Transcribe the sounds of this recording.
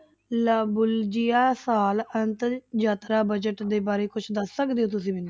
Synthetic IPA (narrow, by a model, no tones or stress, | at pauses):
labʊld͡ʒɪjaːsaːlənt̪d͡ʒaːt̪ɾaːbəd͡ʒəʈd̪eːbaːɾeːkʊt͡ʃʰd̪əsːəkd̪eːõːt̪̬ʊsĩːbɪnː